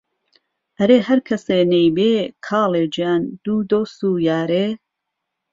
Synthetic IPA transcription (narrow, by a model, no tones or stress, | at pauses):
ʔɐɾeːhɐɾkʰɐseːnejbeːkʰɑːleːd͡ʒijaːnd̪̥uːd̪oːst̪uːjaːɾeː